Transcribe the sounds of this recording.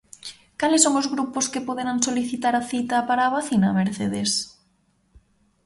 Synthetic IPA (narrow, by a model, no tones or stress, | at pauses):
kalɪsːoŋozɣɾuposkepoðeɾaŋsoliθit̪aɾaθit̪apaɾaβaθinameɾθeðes